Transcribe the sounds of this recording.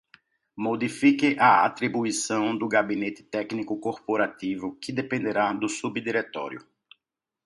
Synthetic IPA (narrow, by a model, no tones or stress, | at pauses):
mod̪ifikɪʔaat̪ɾibuisɐ̃w̃d̪ʊɡabinet̪ɪ̥t̪ɛknikʊkoɾpoɾat̪ivʊkɪd̪epẽnd̪eɾad̪ʊsubd̪iɾet̪ɔ̰ɾjʊ̰